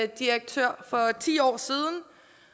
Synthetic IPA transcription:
d̥iɐɡ̥̚t͡sʰøɐ̰fɒ̽t͡sʰḭːɒ̰ːsiːð̞ˠn̩

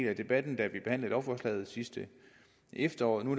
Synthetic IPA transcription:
læd̥e̝b̥æd̥n̩d̥æʋib̥e̝hæn̰ləð̩eɒʊfɒslɛ̰ːð̩ˠsisd̥ə | ʔefd̥ɐɒ̰ːð̩ˠnu̥

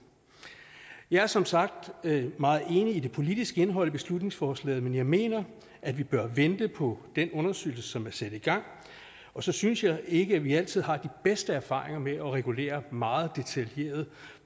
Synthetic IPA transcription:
jɑ̈ɪæɐsɒ̽msɑ̈ɡ̥̚d̥mɑ̈ːð̩ˠe̝ːniːd̥e̝pʰo̝lid̥isɡ̥əe̝nəɦɒ̽l̰b̥e̝slud̥ne̝ŋsfɒːslɛ̰ːðˠmenjɑ̈ɪme̝̰ːnɐ | ʔædʋib̥ɶɐʋend̥əpʰɒ̽d̥enɔ̽nɐsø̰ːl̩sə̥sɒ̽mæɐsæd̥iɡ̥ɑ̈ŋ̰ | ɒ̽sɒ̽synsjɑ̈ɪe̝ɡ̥əæʋiæl̰t͡sʰið̰ˠɦɑ̈d̥ib̥esd̥əæɐfɑ̰̈ːʁe̝ŋɐmeʔɒ̽ʁɛɡ̥ule̝̰ːɐmɑ̈ːð̞̩ˠd̥e̝t͡sʰælje̝̰ːɐð̞̩ˠ

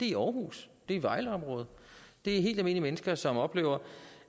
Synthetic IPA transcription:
d̥e̝iɒːɦṵːsd̥e̝iʋɑ̈ɪləɒ̽mʁɔ̽ːð̞̩ˠd̥e̝æɐɦe̝̰ld̥æme̝̰nimenəsɡ̥ɐsɒ̽mɒ̽b̥le̝̰ːʊ̰ɐ

